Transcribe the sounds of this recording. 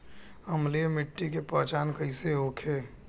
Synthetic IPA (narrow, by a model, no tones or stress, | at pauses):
əmlemɪʈːikepət͡ʃaːnkəɪseɦoːkʰe